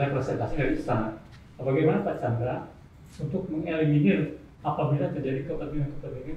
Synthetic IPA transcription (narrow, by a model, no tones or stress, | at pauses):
lapɾɛsɛnt̪asidaɾiist̪ana | baɡajmanapatsand̪ɾa | unt̪ʊk̚məŋɛlɛŋinil | apabilat̪ərd͡ʒadikəpədiunt̪ʊk̚t̪əd͡ʒaɡi